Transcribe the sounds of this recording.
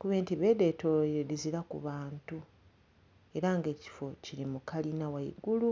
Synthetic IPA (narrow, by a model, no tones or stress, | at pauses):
kuβeːntiβe̞ːde̞ːtoediziɾakṵβaːntu | e̞ɾaŋɡe̞ːci̥fo̞ciɾimukalinawaḭɡulu